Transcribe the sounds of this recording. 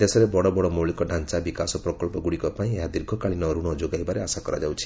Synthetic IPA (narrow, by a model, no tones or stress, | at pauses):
d̪esɔɾebɔɽɔbɔɽɔmɔwɭikɔɖʱant͡ʃabikasɔpɾɔkɔlpɔɡuɽikɔpaĩeɦad̪iɾɡʰʱɔkaɭinɔɾuɽ̃ɔd͡ʒoɡajbaɾeasakɔɾa̰d͡ʒawt͡ʃʰi̥